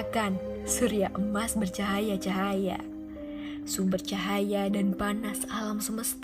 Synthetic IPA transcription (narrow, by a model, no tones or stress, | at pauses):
kan | səɾiaʔəmasbərt͡ʃaɦajat͡ʃaɦaja̰ | subərt͡ʃaɦajadanpanasalamsəməst̪